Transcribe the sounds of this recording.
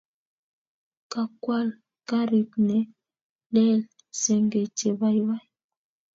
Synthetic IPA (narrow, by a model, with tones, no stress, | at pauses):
ka˨kwa˦˨l | ka˦ɾi˨pnɛ˨ | lɛ˦l | sɛ˨ŋɡe˨te˨ba˨jwa˦j